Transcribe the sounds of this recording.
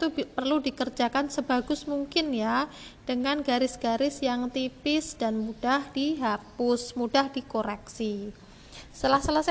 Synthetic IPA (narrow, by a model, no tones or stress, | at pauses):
t̪upərludikərd͡ʒakansəbaɡʊsmuŋkɪnja | d̥əŋanɡaɾɪsɡ̥aɾɪsjaŋt̪ipɪsd̥anmud̥ahd̥iɦapʊsmudahd̥ikoɾɛksi | səlahsəlas